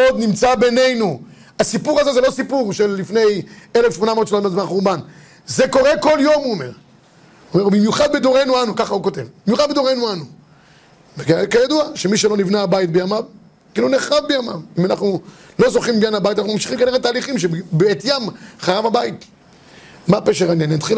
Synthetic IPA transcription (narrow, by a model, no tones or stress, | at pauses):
od̪nimt͡sabe̞ne̞jnu | asipuʁazezelo̞sipuʁʃelːifne̞jelefʃmo̞namot̪ʃnot̪mazmaχuʁban | zeko̞ʁe̞ko̞ljo̞muomeʁ | uomeʁubimjuχad̪̚bed̪oʁe̞jnuanukaχaukot̪e̞vbimjuχad̪̚bed̪oʁe̞jnuanu | vekakajad̪uaʃemiʃ̬elo̞nivnaːbait̪̚bejamam | kiluneχavbejama̰mimanaχnulo̞zo̞χimbjanabajtanaχumamʃiχimkaniʁetaːliχimʃebeet̪jamχaʁavhabait̪ | mapeʃeʁanjaninat̪χil